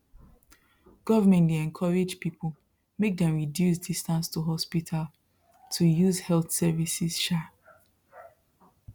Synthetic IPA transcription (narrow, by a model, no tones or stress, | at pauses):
ɡ̥ɔvəmɛ̃ntweɛ̃nkʰɔɹed͡ʒpipʰol | mek̚dɛ̃mɹidjus̬distãnstʰuɦɔspitʰal | tʰujuzhɛlθsɛvisiz̥ʃɛ